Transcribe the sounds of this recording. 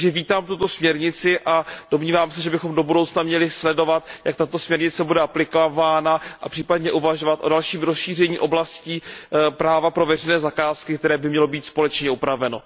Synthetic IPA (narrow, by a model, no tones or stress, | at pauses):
ʒɛviːt̪aːmt̪ut̪o̞smɲɛɾɲɪt͡sɪʔad̥o̞mɲiːvaːmsɛʒɛbɪxo̞mdo̞budowt͡snamɲɛlɪslɛdo̞vat̪jak̚t̪at̪o̞smɲɛɾɲɪt͡sɛbudɛaplɪkovaːnaʔa̰pr̥iːpadɲɛʔuvaʒo̞vat̪ʔo̞dalʃiːmɾosʃiːr̝ɛɲiːʔo̞blasciːpɾaːvapɾo̞vɛrɛjnɛːzakaːskɪk̚t̪ɛɾɛːbɪmɲɛlo̞biːt̪spo̞lɛt͡ʃɲɛupɾavɛno̞